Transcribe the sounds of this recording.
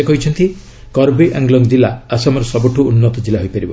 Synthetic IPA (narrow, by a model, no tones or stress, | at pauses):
ekɔɦit͡ʃʰɔnt̪i | kɔɾbiʔãŋɡlɔŋɡd͡ʒilaasɔmɔɾɔsɔbɔʈʰuunːɔt̪ɔd͡ʒilaɦojpaɾibɔ